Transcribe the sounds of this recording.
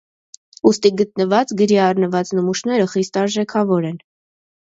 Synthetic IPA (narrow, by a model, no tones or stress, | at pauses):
ust̪iɡət̪̚nəvɑt͡sɡəɾiɑrnəvɑt͡snəmuʃnɛɾəχist̪ɑɾʒɛkʰɑvɔɾɛn